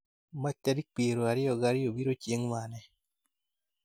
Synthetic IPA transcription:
mat͡ʃtaɾik̚k͡peɾoaɾɪjɔɡaɾɪjobiɾot͡ʃjeŋmanɛ

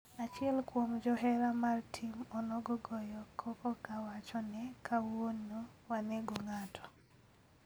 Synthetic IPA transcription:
at͡ʃɪɛlkwomd͡ʒɔɦɛɾamartʰimɔnɔɡɔɡɔjɔkʰɔkɔkawat͡ʃɔnɛkʰawonːowanɛɡoŋatʰɔ̥

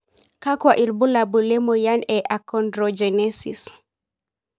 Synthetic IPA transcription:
kakwaʔiɾbulabulɛmɔjanɛʔakɔndɾɔd͡ʒɛnɛsḭs

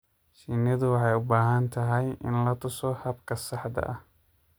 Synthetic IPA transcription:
ʃinɐðʊwɑħɑjʊbaːɦɐnt̪ʰɐɦɛjɪ̰nlɐt̪ʰʊsɔhɐbkʰɐsɑħd̪ɐ̰ʔɐ

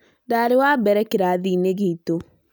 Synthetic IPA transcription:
daːɾewabɛɾɛkeɾaðiːneɣiːto

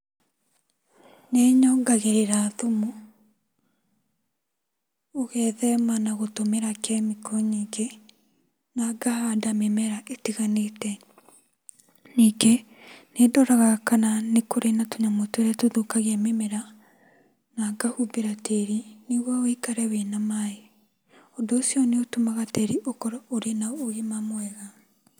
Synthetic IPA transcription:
neɲɔɡaɣeɾeɾaðomu | oɣɛːðɛmanaɣotomeɾakɛmikʰɔɲiːɡe | naɡahadamemeɾaʔetiɣanetɛ | niɡe | nedɔɾaɣakananekoɾenatoɲamotweɾɛtoðokaɣeamemeɾa | naɡahubeɾatʰeɾiniɣwaoikaɾɛwenamae | odoːsijɔneotomaɣatɛɾiʔokɔɾaoɾenaoɣimamwɛɣa

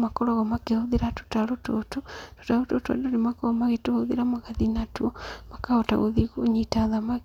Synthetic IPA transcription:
makoɾoɣɔmakehuðiɾatu̥taɾutototu̥taɾutotua̰donimakoɣomaɣetuhoðiɾamaɣaðinatuomakaota̰ɣo̰ðiɣoɲitaðamaɣ

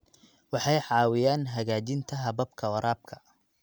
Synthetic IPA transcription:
wɑħɑjħɑːwɪjaːnɦɐɣaːt͡ʃɪnt̪ʰɐɦɐbɐbkʰɐwɐɾaːb̚kʰɐ̥

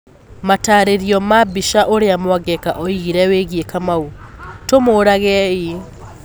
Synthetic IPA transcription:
mataːɾeɾiɔmabiʃaʔoɾeamwaɡɛkaʔɔiɣiɾɛweɣiekamautomoɾaɣɛi

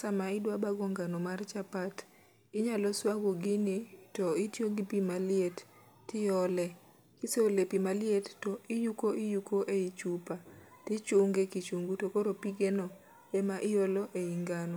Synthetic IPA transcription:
samaɪdwabaɡɔŋɡanomart͡ʃapat | ɪɲalɔswaɡoɡɪnɪtɔɪtjoɡipimalɪetː | ɪjɔlɛ | kɪseolepimalɪettɔɪjukoʔɪjukoʔeit͡ʃupatɪt͡ʃuŋɡekit͡ʃuŋɡutokoɾopiɡenɔ | emaʔɪjolɔʔeiŋɡano

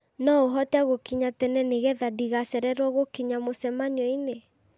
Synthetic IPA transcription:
nɔoɦɔtɛaɣokiɲatɛnɛneɣɛðadiɣasɛɾɛɾwɔɣokiɲamosɛmaniɔine

